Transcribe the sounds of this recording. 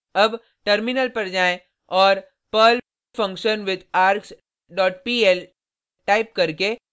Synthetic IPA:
ɐb | ʈəɾmɪnəlpɐɾd͡ʒaːẽ | ɔːɾ | pəl | fɐ̃ŋkʃənʋɪd̪aːɾks | ɖɔːʈ̚piːɛl | ʈaːɪp̚kɐɾke

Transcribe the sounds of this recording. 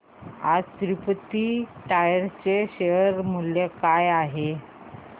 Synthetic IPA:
a̰d͡zt̪ɾipət̪iʈajəɾt͡ɕeɕeəɾmuljekajaɦe

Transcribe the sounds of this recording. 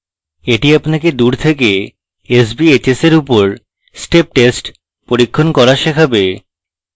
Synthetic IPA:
eʈiapnaked̪uɾt̪ʰeke | es̬biet͡ɕeseɾupoɾ | sʈep̚ʈesʈ | poɾikʰːonkɔɾaʃekʰabe

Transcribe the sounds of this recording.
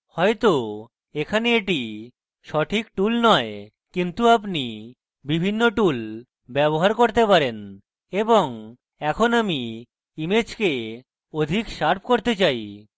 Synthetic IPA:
hɔet̪o | ekʰaneeʈi | ʃɔʈʰikʈulnɔe | kint̪uap̬ni | bibʱinːoʈul | bɛboɦaɾkoɾt̪epaɾen | eboŋ | ɛkʰonami | imed͡ʑke | od̪ʱikʃaɾp̚ʰkoɾt̪et͡ɕaj

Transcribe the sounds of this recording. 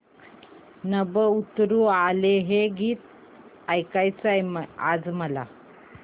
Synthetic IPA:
nəbəut̪ɾualeɦeɡiːt̪̚ | ajkajt͡sajma̰d͡zməla̰

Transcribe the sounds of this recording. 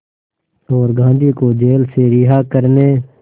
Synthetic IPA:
ɔːɾɡʱãːnd̪ʱiːkoːd͡ʒeːlseːɾɪɦaːkəɾneː

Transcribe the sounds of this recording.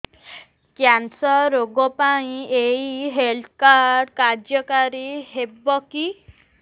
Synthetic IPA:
kjansɔɾoɡɔpaĩeiɦelt̪ʰkaɾkaɾd͡ʒjɔkaɾiɦebɔki

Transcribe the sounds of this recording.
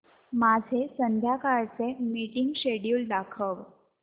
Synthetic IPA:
mad͡zʱesənd̪ʱjakaɭt͡semiʈiŋɡɕeɽjuːlɖakʰəʋ

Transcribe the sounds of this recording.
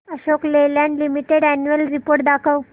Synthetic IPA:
əɕoklelãɳɖlimiʈeɽænjuəlɾipoɾʈ̚d̪akʰəw

